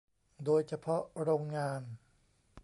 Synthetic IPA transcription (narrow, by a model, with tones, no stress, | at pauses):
doː˧jt͡ɕʰa˧pʰɔ˦˥ʔɾoː˧ŋːaː˧n